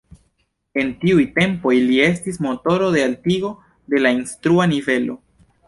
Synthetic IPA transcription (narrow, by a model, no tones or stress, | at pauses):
e̞ntiujte̞mpo̞jlie̞stismo̞to̞ɾo̞de̞altiɡo̞ | de̞lainstɾuanive̞lo̞̰